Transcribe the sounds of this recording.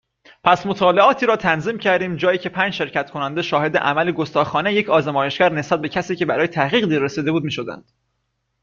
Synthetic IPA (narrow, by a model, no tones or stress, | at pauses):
pʰæsmo̞t̪ʰɒːleɒːt̪ʰiːɾɒːt̪ʰænziːmcʰæɾd̪iːmd͡ʒɒːjiːcʰe̞pʰænd͡ʒʃe̞ɾcʰæt̪kʰo̞nænd̪eʃɒːhe̞d̪ḛʔæ̰mæleɡost̪ɒːxɒːneje̞cʰɒːzemɒːjeʃcæɾne̞sbæt̪̚be̞cʰæsiːce̞bæɾɒːje̞t̪ʰæhɣiːɣd̪iːɾesiːd̪e̞buːd̪miːʃo̞d̪æ̰nd̪̥